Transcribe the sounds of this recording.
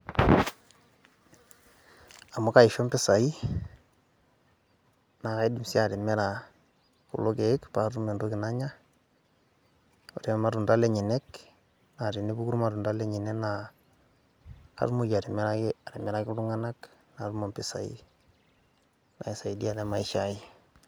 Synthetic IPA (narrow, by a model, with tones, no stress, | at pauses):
a˨mo˦ka˨ɪ˨ʃɔ˦mpɪ˦sa˨i˦ | na˨ka˦i˦di˨msi˦a˨ɾɪ˨mɛ˦ɾa˨ | kṵ˨lo˦ke˨ɪ˦kpa˨˦ɾu˦me˨ndo˦kɪ˨na˦ɲa˦ | o˨ɾe˦m˦ma˦ɾu˨nda˦lɛ˦ɲɪ˨nɛ˦k | na˨ɾi˨ni˦bu˦ku˦ɾu˦ma˨ɾu˨nda˦lɛ˦ɲɪ˨nɛ˦na˨˦ | ɾmo˦ja˨ɾɪ˨m˦ɾaa˨ɾɪ˨mɛ˦ɾa˦kɪ˦lʊ˦ŋa˦na˦knaː˨ɾu˦mɔ˨mpɪ˦sa̰˨ḭ˦ | na̰˨i˨sa˨i˨di˦a˨lɛ˦ma˨ɪ˦ʃa˦ɪ˦